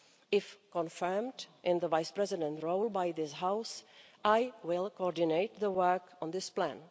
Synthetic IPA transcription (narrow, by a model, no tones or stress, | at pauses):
ɪfkɔ̃nfɜ˞mdʔɪ̃nðəvaɪspɹɛzɪdə̃ntɹoʊlˠbajðɪsɦaʊsʔaɪwɪlˠkoɔɹdɪneɪt̪̚ðəwɜ˞kɔ̃n̩ðɪsplæ̰̃n